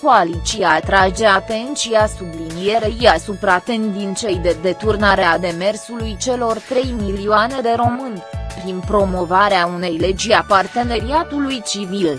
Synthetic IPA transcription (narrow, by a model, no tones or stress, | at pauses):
koalit͡ʃiat̪ɾad͡ʒe̞at̪e̞nt͡ʃiasublinije̞ɾe̞iasupɾat̪end̪int͡ʃe̞jd̪e̞d̪e̞t̪urnaɾe̞ad̪e̞me̞rsulujt͡ʃe̞lo̞rt̪ɾe̞jmilioane̞d̪e̞ɾo̞mɨnʲpɾinpɾo̞mo̞vaɾeaune̞jle̞d͡ʒiapart̪e̞ne̞ɾiat̪ulujt͡ʃivil